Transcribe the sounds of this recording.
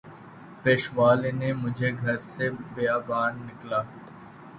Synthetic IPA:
peːʃʋaːlenemʊd͡ʒʱeɡʱɐɾsebejaːbaːnːɪklaː

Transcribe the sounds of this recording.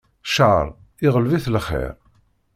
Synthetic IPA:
ʃaʕɾˤ | ɪʁəlviθlχḭɾ

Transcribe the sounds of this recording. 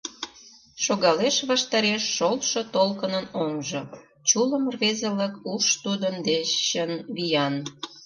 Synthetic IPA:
ʃoɣɑleʃβɑʃt̪ɑɾeʃːolʃot̪olkənənoŋʒo | t͡ɕuləmrβezələkuʃt̪ud̪ənd̪eʃːənβijɑn

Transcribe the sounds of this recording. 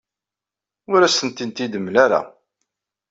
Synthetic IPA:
ʊɾæsənt̪int̪id̪əmːlaɾa̰

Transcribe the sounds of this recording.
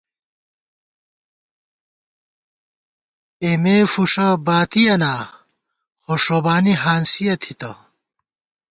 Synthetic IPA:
emeːfuʂɐbaːt̪iɐnaː | xoʂobaːniɦaːnsijɐt̪ʰit̪ɐ

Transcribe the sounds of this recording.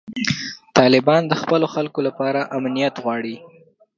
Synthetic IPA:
t̪ɑlɪbɑnd̪əxpəloxalkolapɑɾaʔamnijat̪ɣwɑɽi

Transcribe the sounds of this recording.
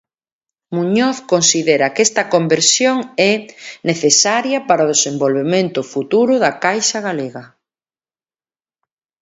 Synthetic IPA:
muɲoθkonsiðeɾɐkɛst̪ɐkombeɾsjoŋɛneθesaɾjɐpaɾaoðesembolβemẽnt̪ʊfut̪uɾʊðɐkajsɐɣaleɣɐ

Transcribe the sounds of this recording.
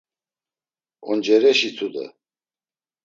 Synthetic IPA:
ɔnd͡ʒɛɾɛʃit͡s̪ʰud̪ə̰

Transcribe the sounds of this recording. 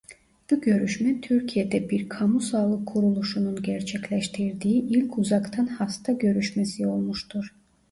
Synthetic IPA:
b̥uɟø̞ɾyʃmɛt̪ʰyɾcʰijed̪ɛbiɾkʰamusaːlˠɯkʰːuɾulˠuʃununɟæɾt͡ʃʰɛcʰlʲɛʃt̪ʰiɾd̪iiʔilʲcʰuzɑkt̪ʰanhast̪ʰaɟø̞ɾyʃmɛsio̞lˠmuʃt̪ʰuɾ̥

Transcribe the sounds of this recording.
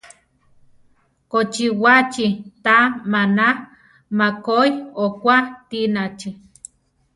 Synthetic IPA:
kot͡ʃiwat͡ʃit̪amanah | makojokʷat̪inat͡ʃi

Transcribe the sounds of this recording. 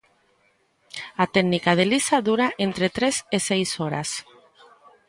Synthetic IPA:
at̪ɛɡnikað̞elisaðuɾaʔent̪ɾet̪ɾesesejsoɾa̰s

